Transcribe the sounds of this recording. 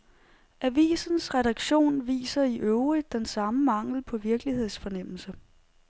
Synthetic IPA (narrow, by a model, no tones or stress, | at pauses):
ʔæʋḭːsn̩sʁɛɾɑ̈ɡ̥ɕo̝̰ːnʋḭːsɐiʔøʊʁid̥ːensɑ̈məmɑ̈ŋ̰l̩pʰɒ̽ʋiɐɡ̥lihe̝ð̰ˠsfɒ̽nem̰l̩sə